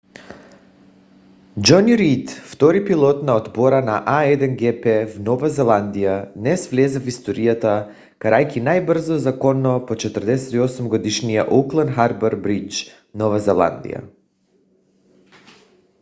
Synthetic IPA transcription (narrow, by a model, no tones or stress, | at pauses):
d͡ʒɔniɾit̪ft̪ɔɾipilˠɔt̪naɔd̪bɔɾanaʔaɛd̪ɛnɡɛpɛvnɔvazɛlˠand̪ijanɛsvlɛzafist̪ɔɾijat̪a | kaɾajkinajbr̩zɔzakɔnːɔpɔt͡ʃɛt̪ərd̪ɛsɛt̪iɔsumɡɔd̪iʃnijaʔuklˠɛnxaɾbaɾbɾit͡ʃ | nɔvazɛlˠa̰nd̪ḭja̰